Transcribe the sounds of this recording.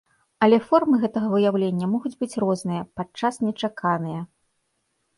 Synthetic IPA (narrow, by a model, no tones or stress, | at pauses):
ɐlʲɛfɔrmɨɣɛt̪ɐɣɐvɨjawlʲenʲːɐmɔɣud͡zʲbɨt͡sʲrɔznɨjɐpat͡ʂasnʲɛt͡ʂakʰanɨjɐ